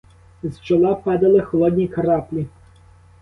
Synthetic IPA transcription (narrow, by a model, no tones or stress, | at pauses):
zt͡ʃɔlˠɑpɑd̪ɐlˠɪxɔlˠɔd̪ʲnʲikɐɾɑplʲi